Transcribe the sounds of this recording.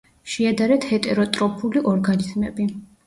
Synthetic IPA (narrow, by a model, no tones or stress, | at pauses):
ʃɛad̪aɾɛt̪hɛt̪ʼɛɾɔt̪ʼɾɔpʰuliʔɔɾɡanizmɛbi